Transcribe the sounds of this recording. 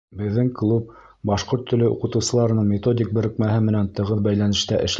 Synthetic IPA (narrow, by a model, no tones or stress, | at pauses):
bɘ̆ðːɘŋklˠup̚ | bɑʃqoɾt̪ʰːɵ̆lɘʔṵqɤ̆t̪ɤ̆wsɤ̆lˠɑɾɤ̆nɤɴmʲet̪o̞dʲɪk̚bɘ̆ɾɘ̆kmæɦɘmɘ̆nænt̪ɤ̆ʁɤðbæjlænɘ̆ʃt̪æʔɘ̆ʃ